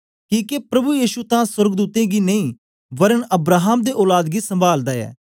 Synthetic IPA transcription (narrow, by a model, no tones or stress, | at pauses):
kiːkepɾəbujiːʃut̪ãːsəɾɡd̪uːt̪ẽːɡiːnəĩː | bəɾənəbɾaːɦaːmd̪eːʔoːlaːd̪ɡiːsə̃mbaːld̪aːɛ̰ː